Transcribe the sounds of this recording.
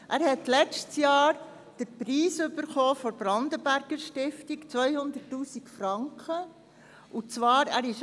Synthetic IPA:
ʔæːɾhɛt̪lɛt͡stsjɑːɾ | d̥əɾpɾiːsʏbəɾχɔːfɔɾb̥ɾɑnd̪əbæɾɡ̥əɾʃtɪft̪ikt͡sʋœjhʊnd̪ətːuːsikfɾɑŋkχə | ut͡sʋɑːɾæɾɪʃ

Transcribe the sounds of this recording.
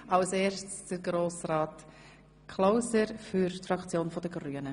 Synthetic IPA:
alseːɾʃtsd̥əɾɡɾoːsraːt | kʰlaʊsəɾfyɾtfɾɑkt͡sjoːnfɔdəɡɾyənə

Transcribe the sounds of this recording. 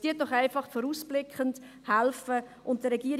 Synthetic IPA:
d̥iːət̚d̥ɔχaɪfɑχfɔɾuːsb̥lɪkʰχənt | hælfə | ʔʊnt̚d̥əɾɛɡiːəɾ

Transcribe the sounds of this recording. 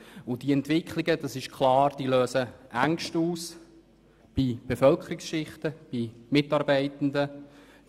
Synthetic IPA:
ʊd̥iɛntvɪkχlɪɡəd̥ɑsɪʃkʰlɑːɾd̥iːløːsəʔæŋʃtuːs | b̥ib̥efœlkʰəɾiksʃɪχtəb̥imɪtɑɾbɛɪtən̩də

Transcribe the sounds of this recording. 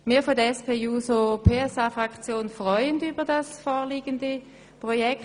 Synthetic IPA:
miːɐfodəɛspʰeːjuːsopʰeːɛsaːfʁakt͡sjoːnfʁɔʏəndyːbɐdasfɔːliːɡəndə | pʁojɛkt

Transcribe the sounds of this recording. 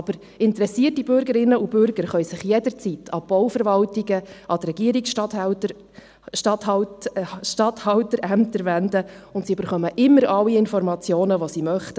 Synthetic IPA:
ɑb̥əɾ | ɪntəɾɛsiːtibʏɾɡəɾɪnːəubʏɾɡ̥əɾχœɥsɪχjɛdəɾt͡sitʰɑb̥ɔwfəɾʋɑltiɡəʔɑt̪ɾɛɡ̥iːəɾiks | ʃtɑt | ʃtɑthɑtəɾæmt̪əɾʋænd̪əʊntsiyb̥əɾχœməʔɪmːəɾʔɑlːiɪnfɔɾmɑt͡sjoːnəʋosimœχtə

